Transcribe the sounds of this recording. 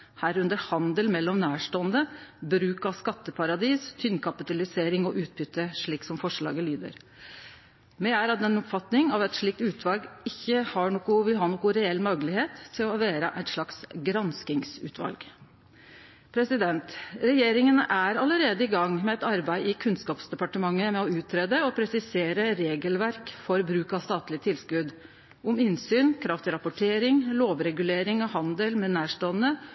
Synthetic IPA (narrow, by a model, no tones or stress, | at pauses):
hæːɾʉnd̪əɾhɑnd̪əlmɛlːɔmnæːʂʈoːənd̪əbɾʉːkɑskɑt̪ːəpʰɑɾɑd̪iːst̪ʰʏnkʰɑpɪt̪ɑlɪseːɾɪŋɔʔʉːt̪̚bʏt̪ːəʂɭiːksɔmfɔʂɭɑ̰ːɡəlyːd̪ə̰ɾ | mɛæɾɑt̪ɛnɔpfɑt̪nɪŋɑʋɛt̪ʂɭiːk̚t̪ʉːt̪ʰʋɑlɡɪçːəhɑɳoːkʊʋɪlɦɑːnoːkʊɾɛɛlːmøɡəlɪheːt̪t̪ʰːɪlɔʋeːɾəʔæɪt̪ʂɭɑksɡɾɑnskɪŋsʉ̰ːt̪ʰʋɑ̰lɡ | pʰɾɛsɪd̪ɛnt̪ɾɛjeːɾɪŋənʔæɾɑləɾeːd̪əɪɡɑŋmɛɛt̪ɑɾbæɪɪkʰʉnskɑːpsd̪ɛpɑʈəmɑŋːəmɛɔʉːt̪ʰːɾeːd̪əɔpʰɾɛsɪseːɾəɾeːɡəlʋæɾkfɔɾbɾʉːkɑʋst̪ɑːt̪lɪt̪ʰɪlskʉd̪ | ʊmɪnsyːnkʰɾɑft̪ɪɾɑpʊʈʰeːɾɪŋloːʋɾɛɡʉleːɾɪŋɔhɑnd̪əlmɛnæːʂʈoːnə